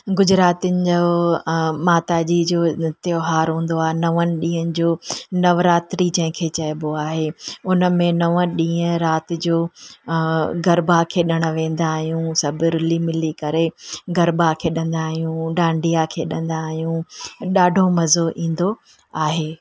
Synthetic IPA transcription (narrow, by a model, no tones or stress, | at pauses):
ɡʊd͡ʑɾaːt̪iənɪ̆d͡ʑo | maːt̪ad͡ʑid͡ʑoːnɪt̪joɦaːɾɦũːn̆d̪oaːɦenɐʋənɪ̆ɗĩːɦənɪ̆d͡ʑoːnɐʋɾaːt̪ɪɾit͡ɕɐ̃ɦɪ̃kʰeːt͡ɕɐjboaːɦeːʊnə̆mẽnɐʋənɗĩːɦə̃ɾaːt̪ɪd͡ʑoː | ɡɐɾbakʰeːɗɐɽ̃ə̆ʋẽːn̆d̪aːɦijũsɐbɪɾlimɪlikɐɾeɡɐɾbakʰeːɗɐ̃nd̪aːɦijũɖãːɳɖijakʰeːɗɐ̃n̆d̪aːɦijũɗaːɖʱomɐzoʔĩːn̆d̪o | aːɦeː